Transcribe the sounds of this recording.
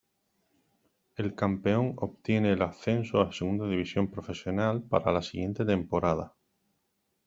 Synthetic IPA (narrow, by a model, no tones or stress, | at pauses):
e̞lkampe̞o̞ŋop̚t̪je̞ne̞ːlaθe̞nsoaseɣund̪aðiβisjo̞mpɾo̞fe̞sjo̞nalpa̰ɾalasiɣje̞nt̪e̞t̪e̞mpo̞ɾað̞a